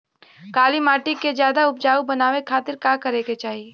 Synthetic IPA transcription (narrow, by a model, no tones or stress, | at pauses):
kaːlimaːʈikezjaːd̪aʊp̚d͡ʒaːubɐnaːʋekʰaːt̪ɪɾkaːkɐɾeɡet͡ʃaːɦie